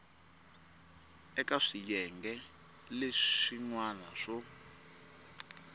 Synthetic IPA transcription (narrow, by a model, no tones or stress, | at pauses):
ɛkaʂijɛŋɡɛ | leʂiŋwanaʂɔ